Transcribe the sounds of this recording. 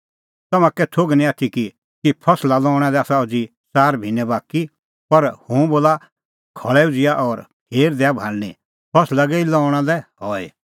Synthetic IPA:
t̪ɐmãkɛt̪ʰoɡnĩaːt̪ʰiki | kipʰɐslalɔːʊɽ̃ãlɛaːsaod͡zi | saːɾbʱinɛbaːki | pɐɾhũboːla | kʰɔɭɛud͡zɪjaʔɔːɾpʰeːɾd̪ɛabʱaːlnĩ | pʰɐslaɡɛilɔːʊ̃ãlɛɦɔːe

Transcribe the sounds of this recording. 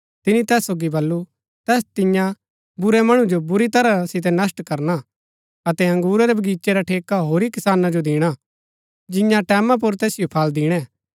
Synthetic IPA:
t̪ɪnit̪ɛːsːoːɡibɐlːu | t̪ɛːst̪ɪ̃jã | bʊɾɛmɐɽ̃ud͡ʒobʊɾit̪ɐɾasɪt̪̬ɛnɐsʈkɐɾna | ɐt̪ɛɐ̃ŋɡuːɾaɾɛbʱɐɡiːt͡ʃeɾaʈʰeːkaɦoːɾikɪsaːnad͡ʒod̪ɪːɽ̃a | d͡ʒɪjãʈɛːmãp̬ʊɾt̪ɛːsɪjopʰaːld̪ɪːɽ̃ɛ̃ː

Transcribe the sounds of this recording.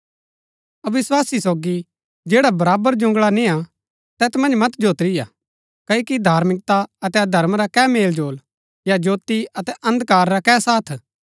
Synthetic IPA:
ɐʋɪswaːsisoːɡi | d͡ʒeːɽabɐɾaːbəɾd͡ʒʊ̃ŋɡɭanɪ̃a | t̪ɛːt̪mɐ̃nd͡ʒmɐt̪d͡ʒoːt̪ɾɪja̰ | kɐoːkid̪ʱaːɾmɪkt̪aɐt̪ɛd̪ʱɐɾmɾakɛmeːld͡ʒoːl | jad͡ʒoːt̪iɐt̪ɛʔɐ̃nd̪kaːɾːakɛsaːt̪ʰ

